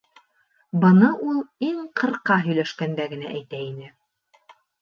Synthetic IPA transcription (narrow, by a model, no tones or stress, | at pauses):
bɤ̆nɤʔulˠiŋqɤ̆ɾqɑɦɵ̆jlæʃkænd̪æɡɘ̆næʔæjt̪æinɘ